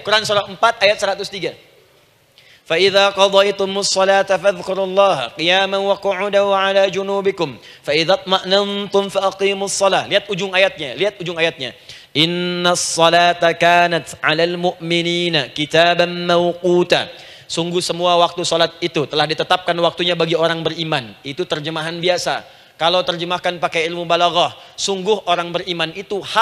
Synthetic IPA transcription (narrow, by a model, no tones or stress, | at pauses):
kuɾansolalmpat̪ajat̪̚səɾat̪ʊst̪iɡa | faʔiðaːqɑd̪ˤɑjt̪ʊmʊsˤːɑlaːt̪afaðkʊɾulːɑːɦqijaːmanwaqʊʕʊdaʕalaːd͡ʒunuːbɪkʊm | faʔiðat̪̚ˤmaʔnant̪ʊmfaʔaqiːmʊsˤːɑlaːliat̪̚ud͡ʒʊŋajat̪̚ɲaliat̪̚ud͡ʒʊŋajat̪̚ɲa̰ | ʔɪnːasːɑlaːt̪akaːnat̪ʕalalmʊʔmɪniːnakit̪aːbanmawquːt̪a | suŋɡʊhsəmuawak̚t̪usolat̪̚it̪ut̪əlahdit̪ət̪ap̚kanwak̚t̪uɲabaɡioɾaŋbərimanit̪ut̪ərd͡ʒəmaɦanbiasa̰ | kalawt̪ərd͡ʒəmahkanpakajɪlmubalaɣahsuŋɡʊhoɾaŋbərimanit̪uha